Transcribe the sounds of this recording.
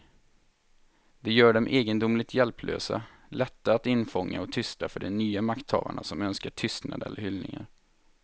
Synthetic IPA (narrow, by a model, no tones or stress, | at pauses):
d̪ɛjœːɖɛmʔeːɡənd̪ʊmlɪɡt̪jɛlpʰlʔø̰ːsa̰ | lɛt̪ːaat̪ɪnfɔŋːaɔt̪ʰʏst̪afœɖɛnnyːamakt̪ʰːɑ̰ːva̰ɳasɔmœnskaʈʰʏst̪na̰d̪ɛ̰lːəhʏlnɪ̰ŋa̰ɾ